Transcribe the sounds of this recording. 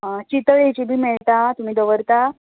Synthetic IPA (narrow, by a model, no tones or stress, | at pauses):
t͡ɕit̪əɭet͡ɕiːbʱiːmiɭt̪at̪um̤iːd̪əʋəɾt̪a